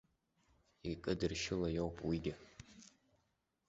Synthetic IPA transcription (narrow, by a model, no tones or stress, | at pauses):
ikʼɨdɨrʃɪlɐjowpʼwiɡʲɪ